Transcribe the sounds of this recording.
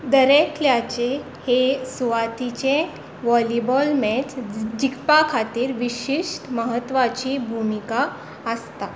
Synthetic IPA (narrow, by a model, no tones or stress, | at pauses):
d̪əɾekʰljat͡ɕe | hesuʋat̪it͡ɕẽ | ʋɔlibɔlmɛt͡sd͡ʑikpakʰat̪iːɾʋiɕiʂʈməɦət̪ːʋat͡ɕiːbʱumika | əst̪a